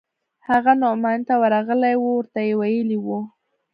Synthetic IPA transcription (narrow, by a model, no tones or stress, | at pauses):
haɣanʊmajnt̪awəɾɑɣəlajwuwəɾt̪ajewajəliwu